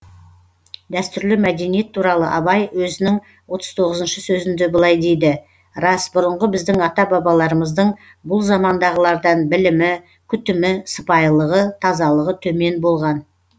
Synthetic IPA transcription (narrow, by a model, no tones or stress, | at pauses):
d̪æst̪ʏɾlɪmæd̪e̞nije̞t̪ʰːuɾɑlˠəʔɑbɑjwɵzɪnɪŋ | wo̞t̪ʰəz̥t̪ʰo̞ʁəzənʃəsɵzɪnd̪ebəlˠɑjd̪e̞jd̪ɪ | ɾɑsbʊɾəɴʁəbɪzd̪ɪŋɑt̪ɑbɑbɑlˠɑɾəməzd̪əɴ | bʊlˠzɑmɑnd̪ɑʁəlˠɑɾd̪ɑnbɪlɪmɪ | kʲʰʏt̪ɪmɪsə̥pɑjlˠəʁət̪ʰɑzɑlˠəʁət̪ʰɵme̞nbo̞lˠʁɑn